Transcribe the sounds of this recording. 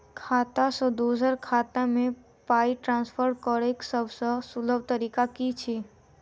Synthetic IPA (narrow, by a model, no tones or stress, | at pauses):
kʰaːt̪asəd̪ozəɾkʰaːt̪amẽ | paːiʈɾãːnspʰəɾkɔɾeksəbʱsə̃suləb̚t̪əɾiːkakit͡ʃʰi